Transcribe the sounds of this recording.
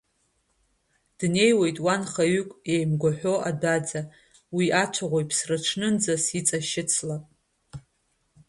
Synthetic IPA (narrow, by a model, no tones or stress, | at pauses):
d̥ne̞jwe̞jtʼwanχaɥykʷʼejmɡʷaħʷᶣo̞ʔadad͡za | wiʔat͡ʃʷʰaʁʷojpʰsrɨʈ͡ʂʰnɨnd͡zasit͡sʼaʃɪt͡sʰlapʼ